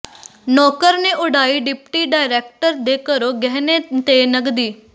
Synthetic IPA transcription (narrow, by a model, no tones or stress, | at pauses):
nɔːkəɾneːʔʊɖaːiːɖɪpʈiːɖaːɪɾeːk̚ʈəɾd̪eːkəɾoːɡɛɦneːt̪eːnəɡd̪iː